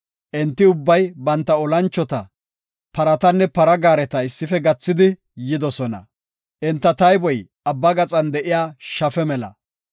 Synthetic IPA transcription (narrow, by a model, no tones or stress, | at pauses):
ʔɛnt̪ːɪʊbːɐjbɐnt̪ːɐɔlɐnt͡ʃːɔt̪ɐ | pɐɾɐt̪ɐnːɛpɐɾɐɡaːɾɛt̪ɐɪsːɪfɛɡɐt͡sːɪd̪ɪ | jɪd̪ɔsɔnɐ̰ | ʔɛnt̪ːɐt̪ɐjbɔjʔɐbːɐɡɐt͡sʼɐnd̪ɛʔɪjaːʃɐfɛmɛlɐ̰